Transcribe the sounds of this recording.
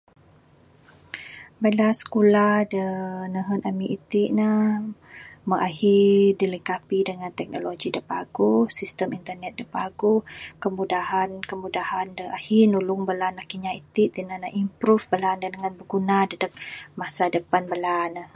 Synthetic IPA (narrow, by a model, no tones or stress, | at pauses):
bəlasə̥kulahdənəɦənamiʔit̪iʔnəh | məʔaɦidiləŋkapidəŋant̪ɛk̚noloɡidəpa̰ɡusist̪əmint̪ərnɛt̪̚dəpaɡukəmudaɦankəmudahandəʔahinulʊŋbəlanakiɲait̪iʔd̪ənənəʔimpɾufbəlandədəŋanbəɡunadədək̚masadəpanbəlanəh